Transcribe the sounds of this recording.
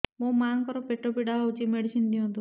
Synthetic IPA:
mõmaŋkɔɾɔpeʈopiɽaaut͡ʃimeɽisind̪iɔ̃nt̪u

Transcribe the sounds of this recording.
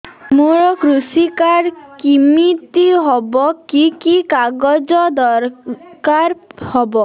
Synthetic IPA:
muɾɔkɾusikaɾkimit̪iɦɔbɔkikikaɡɔd͡ʒɔd̪ɔɾkaɾhɔbɔ

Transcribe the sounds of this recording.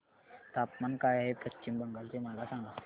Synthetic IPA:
t̪apmankajaɦepət͡ɕimbəŋɡalt͡ɕemalasãŋɡa

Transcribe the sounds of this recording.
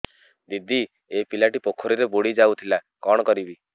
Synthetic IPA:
d̪id̪i | epilaʈipokʰːɔɾiɾeboɽid͡ʒawt̪ʰila | kɔɽ̃ɔkɔɾibi

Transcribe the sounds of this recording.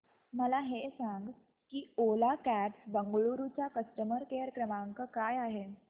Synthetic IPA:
məlaɦesaŋɡ | kiːolakæʈbəŋɡɭuɾut͡ɕjakəsʈəməɾkeəɾkɾəmaŋkəkajaɦe

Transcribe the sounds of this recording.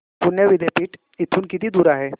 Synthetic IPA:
pʊɾnjəʋɪd̪ʱepiʈ | ɪt̪ʰːunkit̪id̪uːɾaɦɛː

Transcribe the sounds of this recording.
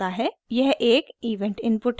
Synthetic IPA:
aɦɛjɛɦʔeːkiːʋɛ̃ɳʈɪ̃npʊʈ

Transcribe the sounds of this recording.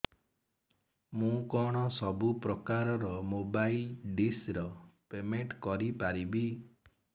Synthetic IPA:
mũkɔɽ̃ɔsɔbupɾɔkaɾɔɾɔmobailɖisɾɔpemeɳʈkɔɾipaɾibi

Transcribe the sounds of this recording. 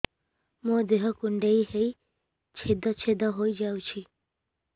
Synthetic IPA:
mõd̪eɦɔkuɳɖeiɦej | t͡ʃʰed̪ɔt͡ʃʰed̪ɔɦojd͡ʒawt͡ʃʰi

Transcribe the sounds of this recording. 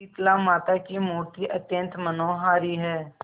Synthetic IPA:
it̪laːmaːt̪aːkimuːɾt̪iːʔət̪jə̃nt̪mənoːɦaːɾiːɦɛː

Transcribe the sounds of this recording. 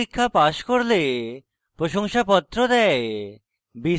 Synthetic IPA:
ikʰːapaʃkoɾle | pɾoʃoŋʃapɔt̪ːɾod̪ɛe | bi

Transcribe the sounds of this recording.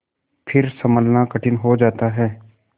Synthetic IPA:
pʰɪɾsɐməlnakɐʈʰɪnɦod͡ʒaːt̪aɦɛː

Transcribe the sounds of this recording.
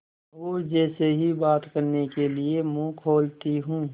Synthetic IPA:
ɦoːd͡ʒɛːseɦibaːt̪kəɾnekeliemũkʰoːlt̪iɦũː

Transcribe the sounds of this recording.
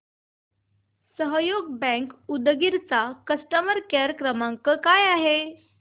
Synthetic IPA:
səɦjoɡbɛ̃ŋkud̪ɡiɾt͡sakəsʈəməɾkeɾkɾəmãŋkəkajaɦe

